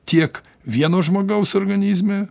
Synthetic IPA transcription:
t̪ʲiɛk | ʋʲiɛnoːʒmoːɡɐʊsoːrɡɐnʲiːzʲmʲe

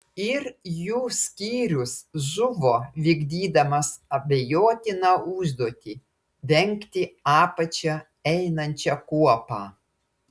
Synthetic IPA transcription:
ɪɾjuːsʲkʲiːɾʲʊsʒʊʋoːʋʲɪɡd̪ʲiːd̪ɐmɐsɐbʲejoːt̪ʲɪnɑːʊʒd̪uɔt̪ʲi | ʋʲɛŋʲkt̪ʲɪɑːpɐt͡ʃʲɛ | ɛɪnɐnʲt͡ʃʲɛkuɔpɑː

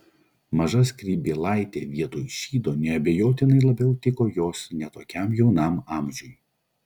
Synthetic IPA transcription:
mɐʒɐskɾʲiːbʲeːlˠɑˑɪt̪ʲḛːʋʲiɛt̪oːjʃʲiːd̪oːnʲɛɐbʲejoːt̪ʲɪnɐɪlˠɐbʲɛʊt̪ʲɪkoːjoːsnʲɛt̪oːkʲɛmjɛʊnɑmɑːˑmʲʒʲʊj

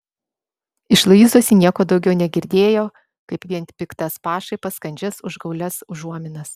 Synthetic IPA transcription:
ɪʃlˠɐiːzuːsʲinʲiɛkoːd̪ɒʊɡʲɛʊnʲɛɡʲɪɾʲd̪ʲeːjoː | kɐɪpʋʲiɛnpʲɪkt̪ɐspɑːʃɐɪpɐskɐnʲd͡ʒʲɛsʊʒɡɐʊlʲɛsʊʒuɔmʲɪnɐs

